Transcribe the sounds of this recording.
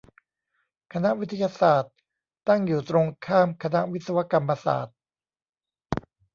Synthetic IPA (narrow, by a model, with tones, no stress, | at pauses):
kʰa˧na˦˥ʔwi˦˥t̪ʰa˧jaː˧saː˨˩t̪̚ː | a˥˩ŋjuː˨˩t̪ɾo˧ŋkʰaː˥˩mkʰa˧na˦˥ʔwi˦t̪̚sa˧wa˦˥ka˧mːa˧sa̰ː˨˩t̪̚